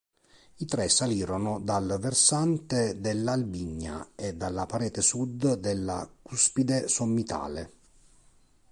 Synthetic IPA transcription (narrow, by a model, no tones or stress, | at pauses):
it̪ɾɛsaliːɾonʊd̪alversant̪ed̪elːalbiɲːa̰ed̪ːalːapaɾɛːt̪esud̪d̪elːakuspid̪esomːit̪ʰa̰ːle